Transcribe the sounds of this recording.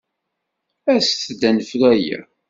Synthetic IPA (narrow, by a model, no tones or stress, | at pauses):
æsθd̪ænəflæjæ̰